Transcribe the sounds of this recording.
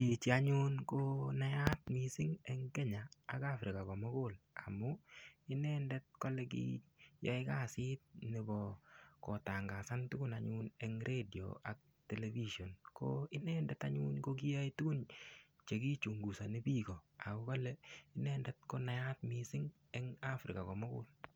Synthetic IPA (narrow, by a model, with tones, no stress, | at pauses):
i˨t͡ʃi˨a˦ɲʊ˦nko˦na˦ja˦t̪̚mi˨sɪ˦ŋɛ˦ŋkɛ˦ɲaa˨ka˦fɾɪ˨ka˨kɔ˨mɔ˦ko˦la̰˨mːʊɪ˦nɛ˦ndɛ˦t̪̚kɔ˦lɛk̬ḭjɔ˦ɪ˦ka˦˨sɪ˦t̪̚nɪ˨bɔ˨kɔ˨ta˨ŋɡa˨sa˦ntu˦kʊ˦naɲʊnɛ˦ŋɾʔe˦di˨o̰˨a̰˨k̚ | tɛ˨levi˦ʃɔ˨nko˦ɪ˦nɛ˦ndɛ˦ta˦ɲuː˦nko˦k̬i˦ja˦itu˦ku˦nt͡ʃe˨k̬i˦t͡ʃu˨ŋɡu˨sa˨nɪ˦biː˦ko˨a˨ʊ˦kɔ˦lɛɪ˦nɛ˦ndɛ˦t̚ko˦na˨ja˦t̪mi˨sɪ˦ŋ | ɛ˦ŋa˦fɾɪ̰˨ka˨kɔ˨mɔ˦kʊ̰˦l